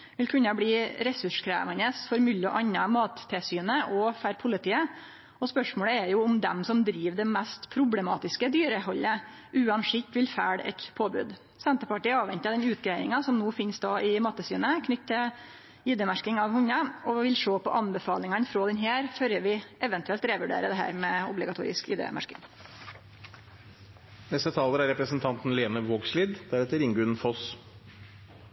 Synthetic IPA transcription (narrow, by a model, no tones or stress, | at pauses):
ʋɪlkʰʉnːɑbliːɾɛsʉʂkʰɾæ̰ːʋɑnəsfɔɾmʉlːɔ̰ʔɑnːɑmɑːt̪ʰːɪsyːnəʔɔfæɾpʰʊlɪt̪ʰiːə | ɔspœʂmoːləɛɾjʊʊmd̪ɛ̰msɔmd̪ɾiːʋd̪ɛmæst̪pʰɾʊblɛmɑ̰ːt̪ɪskəd̪yːɾəhɔlːə | ʔʉːɑnʂɪt̪ːʋɪlfæːɽɛ̰t̪pʰoːbʉ̰ːd̪ | sɛnt̪əpɑʈiːɑːʋɛnt̪ɑd̪ɛnʉːt̪ɡɾæɪd̪ɪ̰ŋɑsɔmnuːfɪnsd̪ɑːʔɪmɑt̪ːəsyːnəkʰnʏt̪ʰːə | iːd̪əmæʂkɪŋɑʋhʊɲəɔʋɪlʂoːpɔ̰ʔɑnbəfɑːlɪŋɑnfɾoːd̪ɛnɦæːɾføɾjəʋɪʔɛʋənt̪ʉɛlt̪ɾeʋʉɖḛːɾəd̪ɛɦæ̰ːɾmɛʊ̰blɪɡɑt̪ʰṵːɾɪ̰skḭːd̪ə̰mʔæ̰ʂkɪ̰ŋ | nɛst̪ət̪ʰɑːləɾæɾɛpɾəsnt̪ʰɑnt̪n̩leːnəʋoːɡsliːd̪d̪̥æɾhɛt̪əɾɪŋɡʉnfɔs